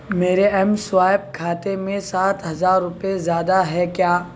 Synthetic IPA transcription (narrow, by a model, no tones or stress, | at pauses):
meːɾeɛmsʊʋaːɪb̚kʰaːt̪emẽsaːt̪ɦɐzaːɾːʊpezjaːd̪aɦɛkjaː